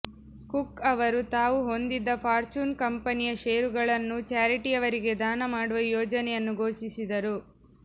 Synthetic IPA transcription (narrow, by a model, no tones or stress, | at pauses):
kukːɐʋɐɾut̪aːʋuɦo̞nd̪id̪ːɐpʰaːɾt͡ʃuːnkɐmpɐnijɐʃeːɾuɡɐɭɐnːut͡ʃaːɾiʈijɐʋɐɾiɡe̞d̪aːnɐmaːɽuʋɐjɔːd͡ʒɐnɛjɐnːuɡʱoːʃisid̪ɐɾu